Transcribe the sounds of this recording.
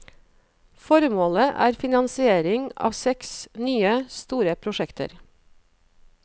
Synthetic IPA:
fɔɾmoːləʔæ̰ːɾfɪnɑnsɪeːɾɪŋɑ̰ːʋsɛksnyːəst̪uːɾəpʰɾʊʃɛkt̪ʰə̰ɾ

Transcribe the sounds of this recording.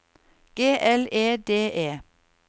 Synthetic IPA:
ɡ̥eːʔɛleːd̪eːʔeː

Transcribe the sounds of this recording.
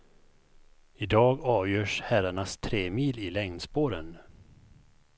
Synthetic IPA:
ɪd̪ɑːɡɑːvjœːʂhæɾaɳast̪ʰɾeːmiːlɪlɛŋnspoːɾən

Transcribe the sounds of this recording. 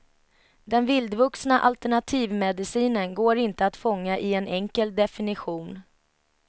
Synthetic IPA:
d̪ɛnvɪld̪vɵksnaʔalt̪ɛɳat̪ʰiːvmɛd̪ɪsiːnənɡoːɾɪnt̪əat̪fɔŋːaʔɪɛnɛŋkəld̪ɛfɪnɪɧuːn

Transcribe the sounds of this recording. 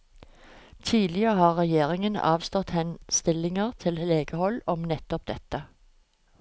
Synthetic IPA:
t̪ʰiːd̪lɪəʁəhɑːʁʁɛjeːʁɪŋənɑ̰ːʋst̪ɔt̪hɛnst̪ɪlɪŋəʁt̪ʰɪlleːɡəhɔlɔmnɛt̪ɔp̚d̪ɛt̪ə

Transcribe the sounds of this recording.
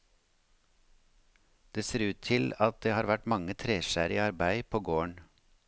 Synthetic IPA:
d̪̥eːseːɾʉːt̪ʰɪlɑt̪̚d̪eːhɑːɾʋæʈmɑŋət̪ʰɾeːʃæːɾɪɑɾbæɪpʰoːɡoːəɳ

